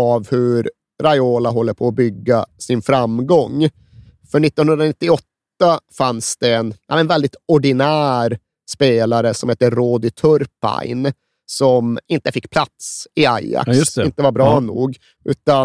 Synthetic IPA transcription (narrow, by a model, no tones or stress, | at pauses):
avhɵɾ | ɾajoːlaɦɔlːəpʰɔːbʏɡːasɪnfɾamɡɔŋː | fœɳɪt̪ːɔnhɵnɾanɪt̪ːɪɔt̪ːafansd̪̥ɛɛnʔa̰mɛnvɛld̪ɪt̪ɔɖɪnæːɾ | speːlaɾəsɔmheːt̪ːəɾoːd̪ɪt̪ʰɵɾpa̰ɪn | sɔmɪnt̪əfɪkːpʰlat̪sɪaja̰ksɪnt̪əvaɾbɾɑːnṵːɡ | ʉ̟ːt̪a